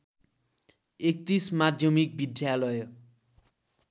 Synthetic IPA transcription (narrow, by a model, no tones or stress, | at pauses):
ek̚t̪ismad̪ʱjʌmik̚bid̪ʱjalʌj